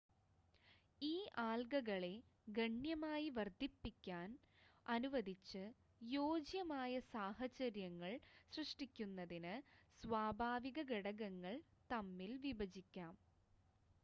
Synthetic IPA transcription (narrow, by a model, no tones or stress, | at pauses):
iːʔaːlɡɐɣɐɭe̞ | ɡɐɳjɐmaːjiʋɐrd̪ʱipːikʲːaːn | ɐnuʋɐd̪ʱit͡ɕːɨ | joːd͡ʑjɐmaːjɐsaːɦɐt͡ɕɐɾjɐŋːɐɭsrɨʂʈikʲːunːɐðinɨsʋaːbʱaːʋiɣɐɡeɽɐɣɐŋːɐɭt̪ɐmːilʋibɐd͡ʑikʲːaːm